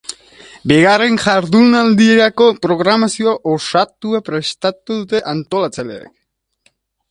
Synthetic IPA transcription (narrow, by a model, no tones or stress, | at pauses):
be̞ɣare̞nʝaɾðunald̪ie̞ɾako̞pɾo̞ɣ̞ɾamasio̞aʔosat̪uapɾe̞st̪at̪uðut̪e̞ʔant̪o̞lat͡salḛḛk